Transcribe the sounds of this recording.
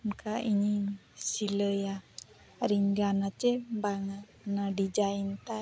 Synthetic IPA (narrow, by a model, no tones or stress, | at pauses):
mkʰaiɲisiləja | ɾiŋɡanat͡ʃembaŋat̪ | nadid͡ʒaint̪a